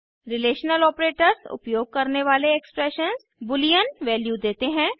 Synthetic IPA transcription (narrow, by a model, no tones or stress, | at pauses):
ɾɪleːʃnəlɔːpɾeːʈəɾsʊ̰pjoːɡ̚kɐɾneʋaːleekspɾɛʃənz | bʊlijənʋɛːljud̪eːt̪eɦɛ̃ː